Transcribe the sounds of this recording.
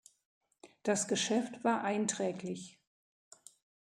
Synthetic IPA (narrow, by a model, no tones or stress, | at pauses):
d̥asɡ̥əʃɛftv̥aːɐʔaɪntʁ̥ɛːklɪç